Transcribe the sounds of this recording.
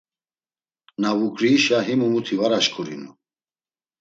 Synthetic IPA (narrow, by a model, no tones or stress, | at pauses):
navukʼɾiːʃaɦimumut̪ʰivaɾaʃkʰʼuɾḭnṵ